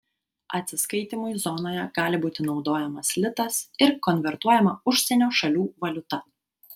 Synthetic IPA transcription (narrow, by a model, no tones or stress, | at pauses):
ʔɐ̰t̪ʲsʲɪskɐɪt̪ʲimʊjzɔnoːjɛɡ̥ɑːlʲɪbuːt̪ʲɪnɒʊd̪oːjɛmɐslʲɪt̪ɐsɪɾkɔnʲʋʲɛɾt̪uɔjɛmɐʊʃʲsʲɛnʲoːʃɐlʲuːʋɐlʲʊt̪ɐ